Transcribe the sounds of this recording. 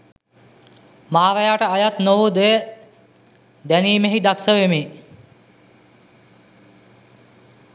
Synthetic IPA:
maːɾəjaːʈəajat̪noʋud̪ejə | d̪æniːmeɦid̪aksəʋemi

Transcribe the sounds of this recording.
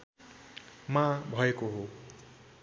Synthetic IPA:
mãbʱʌekoɦo

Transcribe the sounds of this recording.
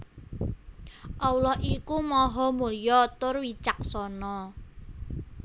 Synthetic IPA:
ʔawlɔhʔikumɔɦɔmulijɔt̪ʊrwit͡ʃak̚sɔnɔ

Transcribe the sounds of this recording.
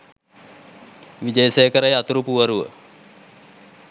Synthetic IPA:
ʋid͡ʑəjsejəkəɾajat̪uɾupuʋaɾuʋə̰

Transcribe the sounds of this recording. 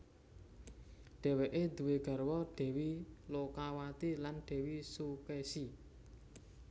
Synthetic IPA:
ɖ̥ɛ̤wɛʔed̪̥ṳweɡ̥a̤rwɔɖ̥ɛ̤wilokawat̪ilanɖ̥ɛ̤wisukɛsi

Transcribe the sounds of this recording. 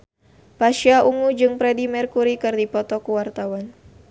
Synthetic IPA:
paʃiaʔuŋud͡ʒɨŋpɾɛdimɛrkuɾikɨrdipɔt̪ɔkuwart̪awan

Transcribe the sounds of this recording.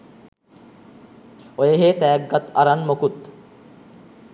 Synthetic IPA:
ojeɦeːt̪ɛːɡːat̪aɾanmokut̪

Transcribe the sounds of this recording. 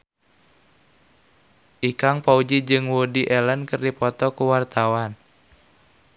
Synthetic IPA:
ʔikaŋpaud͡ʒid͡ʒɨŋwodiʔɛlənkɨrdipɔt̪ɔkuwart̪awan

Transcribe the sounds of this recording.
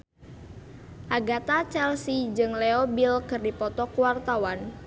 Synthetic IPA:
ʔaɡat̪at͡ʃɛlsid͡ʒɨŋleobilkɨrdipɔt̪ɔkuwart̪awan

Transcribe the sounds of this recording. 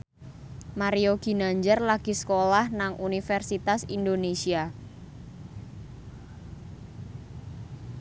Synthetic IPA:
maɾioɡ̥i̤naɲd͡ʒərlaɡ̥i̤sə̥kolahnaŋʔunifɛrsit̪asindonesia

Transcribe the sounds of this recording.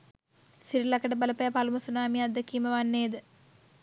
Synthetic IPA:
siɾilɐkːɐɽɐpɐlɐpːɐjɐpalumɐsunaːmiɐd̪ʱɐkːimɐʋanːeːd̪ɨ

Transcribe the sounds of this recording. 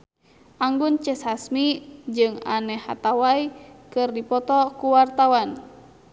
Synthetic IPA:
ʔaŋɡunt͡ʃɛshasmid͡ʒɨŋa̰nɛha̰t̪awaikɨrdipɔt̪ɔkuwart̪awan

